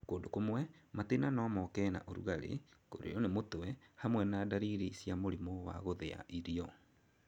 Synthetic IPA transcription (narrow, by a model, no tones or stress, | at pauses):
koːndokomwɛmatenanɔmɔkɛna̰ʔoɾṵɣaɾḛkoɾḛɔnemotwɛhamwɛnaːdaɾiɾisjamoɾimowa̰ɣoðea̰ʔiɾiɔ